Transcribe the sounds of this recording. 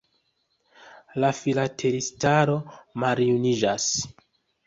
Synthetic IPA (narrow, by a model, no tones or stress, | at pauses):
lafilatʰe̞ɾistaɾo̞maɾiunid͡ʒas